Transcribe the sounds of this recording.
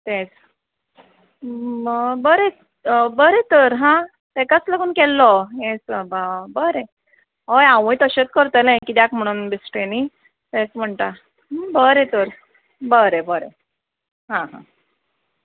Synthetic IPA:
t̪ẽd͡z | bəɾe | bəɾet̪əɾɦã | t̪ekat͡sləɡuːnkɛlːɔjesəbabəɾe | ɦojãʋə̃jt̪əɕet͡s̪̚kəɾt̪əlẽkid̪jakm̤əɽ̃uːnbisʈeni | t̪ẽt͡sm̤əɳʈa | bəɾet̪əɾ | bəɾebəɾḛ | ɦãɦã̰

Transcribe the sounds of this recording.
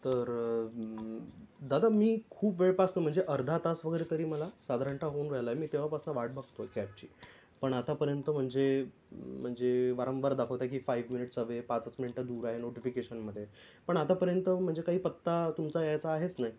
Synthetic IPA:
t̪əɾ | d̪ad̪amiːkʰuːpʋeɭpasnəm̤əɳd͡zeʔəɾd̪ʱat̪asʋəɡəjɾet̪əɾiːməlasad̪ʱaɾəɳʈaɦonɾəjlajmiːt̪eʋ̤apasnəʋaʈ̚bʱakt̪okɛp̚t͡ɕḭː | pəɳat̪apəɾjənt̪əm̤əɳd͡ze | m̤əɳd͡zeʋaɾə̃mbaɾd̪akʰəʋt̪ak̬iːfaiʋminiʈsaʋepat͡sət͡sminiʈad̪uːɾaɦenoʈifikeɕənməd̪ʱːje | pəɳat̪apəɾjənt̪əm̤əɳd͡zekaɦiːpət̪ːat̪umt͡sajajt͡saːɦet͡snaj

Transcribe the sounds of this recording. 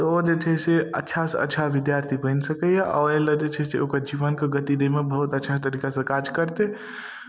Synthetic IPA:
t̪ɔod͡ʒet͡ʃʰɛseə̰tːʃʰasə̰tːʃʰaʋid̪jaɾt̪ʰibə̃nsəkəjaʔɔ̰eləd͡ʒet͡ʃʰɛsḛokəɾd͡ʒiʋənkeɡət̪id̪emebəɦut̪ətːʃʰat̪əɾiːkasə̃kad͡ʒkəɾt̪e

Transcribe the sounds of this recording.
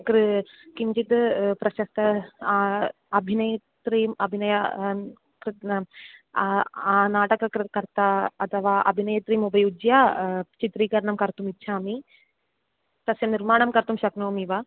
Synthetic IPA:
kɾ | kiɲt͡ʃit̪pɾɐʃɐst̪ɐ | ɐbʱinɐjɐt̪ɾimɐbʱinɐjɐ | kɾt̪ | aːnaːʈɐkɐkkɐɾt̪aɐt̪ʰɐʋaːʔɐ̰bʱinɐjɐt̪ɾiːmubɐjud͡ʒjaːt͡ʃit̪ɾiːkɐɾɐɳɐmkɐɾt̪umitːʃʰaːmi | t̪ɐsjɐniɾmaːɳɐmkɐɾt̪umʃɐknoːmiʋa

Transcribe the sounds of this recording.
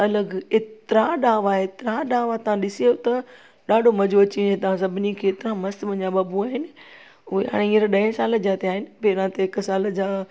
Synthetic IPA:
ɐləɡɪt̪ɾaɗaːʋaːɦeɪt̪ɪɾaɗaːʋat̪ɐʋ̤ãɗɪsiot̪ɐ | ɗaːɖʱomɐd͡ʑoɐt͡ɕinẽt̪ɐʋ̤ãsɐbʱɪnikʰeːt̪ɪɾãmɐst̪ʋɐ̃ɲd͡ʑaɓaːbuaːɦɪnɪ̆ | ʊɦeɦa̰ːɽ̃ẽĩːɾɗɐɪ̃saːld͡ʑaːt̪eaːɦɪnɪ̆peːɾãt̪eɪksaːld͡ʑaː

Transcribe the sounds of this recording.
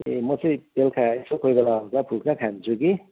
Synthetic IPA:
emʌt͡sʌj̃telkʰaesokʰojɡʌlakapʰulkʰakʰant͡sʰuki

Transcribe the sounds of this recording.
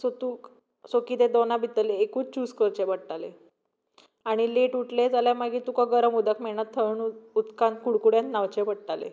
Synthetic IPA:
sot̪uk | sokiːt̪ed̪onabʱit̪əleːkuːt͡st͡ɕuːskəɾt͡ɕebəɽʈale | aɽ̃ileʈuʈled͡zalamaɡiːt̪ukaɡəɾəmud̪akmeɭɳat̪ʰːəɳut̪kãnt̪kuɽkuɽjãnt̪naʋt͡ɕebəɽʈalḛ

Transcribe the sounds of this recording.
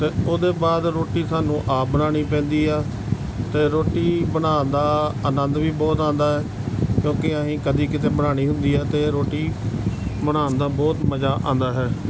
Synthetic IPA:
t̪eːoːd̪eːbaːd̪ɾoːʈiːsaːnũːʔaːbənaːɽ̃iːpɛ̃ːnd̪iːɛː | t̪eːɾoːʈiːbənaːnd̪aːənənd̪ʋiːbɔːt̪ãːnd̪aːɦɛː | kjõːkɪəɦĩːkəd̪iːkɪt̪eːbənaːɽ̃iːɦʊnd̪iːɛːt̪eːɾoːʈiː | bəɽaːnd̪aːbɔːt̪məd͡ʒaːʔã̰ːnd̪aːɦɛː

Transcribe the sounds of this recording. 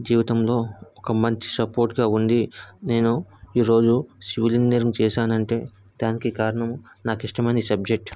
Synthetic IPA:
d͡ʒiːʋit̪ɐmlo̞ːɔkɐmɐɲt͡ʃi̥sɐpo̞ːɾʈɡaːund̪ine̞ːnuiːɾo̞ːd͡ʒusiʋilinnɐɾiŋt͡ʃɛːʃaːnɐɳʈe̞ː | d̪̥aːnikikaːɾɐɳɐm | naːkiʂʈɐmɐnɐisɐb̚d͡ʒek̚ʈ

